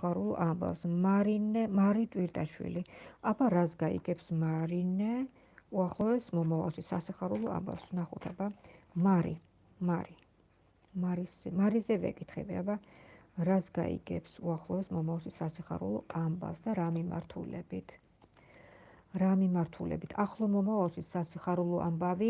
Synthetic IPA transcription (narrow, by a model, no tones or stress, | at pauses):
aɾulˠamba̰fsmaɾinɛmaɾit̪ʼwiɾt̪ʼaʃwḭliabaɾasɡaḭɡɛpsmaɾinɛ | uaχlˠɔɛsmɔmava̰lˠʃisasiχaɾulˠɔa̰mba̰fsnaχut̪ʰɛbamaɾi | maɾi | maɾismaɾizɛvɛ̰kʼit̪ʰχɛ̰biabaɾasɡa̰ḭɡɛ̰psuaχlˠɔvɛsmɔmavalˠʃisasiχa̰ɾṵlˠɔamba̰fsd̪aɾamima̰ɾt̪ʰṵlɛbit̪ʰ | ɾamimaɾt̪ʰulɛ̰bit̪ʰaχlˠɔmɔmavalˠʃisasiχaɾulˠɔʔa̰mbavi